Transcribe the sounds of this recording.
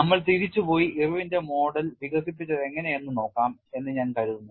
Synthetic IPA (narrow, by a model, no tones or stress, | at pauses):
nɐmːɐɭsiðit͡ɕːupo̞ːjiʔiruʋinde̞mo̞ːɽɐlʋiɣɐsipːit͡ɕːɐðe̞ŋːɐne̞enːɨno̞ːkːaːme̞nːɨɲaːnkɐɻuðunːu